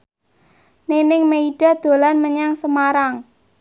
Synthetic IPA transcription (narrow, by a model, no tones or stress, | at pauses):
nenɪŋmeiɖ̥a̤d̪̥o̤lanməɲaŋsəmaɾaŋ